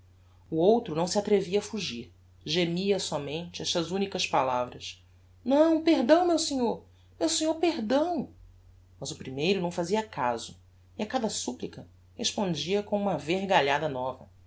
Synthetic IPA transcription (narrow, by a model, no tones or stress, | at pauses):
uowt̪ɾʊnɐ̃w̃sɪat̪ɾeviɐːfuʒiɾ | ʒemiɐsɔmẽnt͡ʃɪɛʃt̪ɐzũnikɐspalavɾɐs | nɐ̃w̃peɾd̪ɐ̃w̃mewseɲoɾ | mewsẽɲoɾpehd̪ɐ̃w̃ | mɐzʊpɾimejɾʊnɐ̃w̃faziɐka̰zʊ | iakad̪ɐsuplikɐ | heʃpõd͡ʒiɐkõũmɐveɾɡaʎad̪ɐnɔvɐ̰